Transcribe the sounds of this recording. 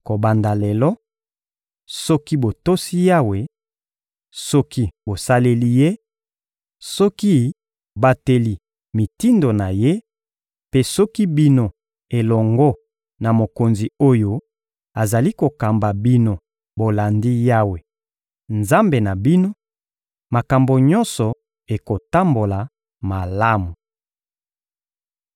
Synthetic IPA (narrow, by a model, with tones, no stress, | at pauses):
ko˨ba˨nda˨lɛ˨lɔ˦ | sɔ˦ki˦bo˨to˦si˦ja˦we˨ | sɔ˦ki˦bo˨sa˦le˦li˦je˦ | sɔ˦ki˦ | ba˨te˨li˨ | mi˨ti˦ndo˨na˨je˦ | pe˦sɔ˦ki˦bi˦no˨ | e˨lɔ˨ŋɡɔ˦ | na˨mo˨ko˨nzi˨o˦jo˦ | a˨za˨li˦ko˨ka˨mba˨bi˦no˦ | bo˨la˨ndi˦ja˦we˨ | nza˦mbe˨na˨bi˦no˦ | ma˨ka˨mbo˨ɲɔ̃˦nsɔ˨ | e˨ko˨ta˦mbo˨la˨ | ma˨la˦mu˨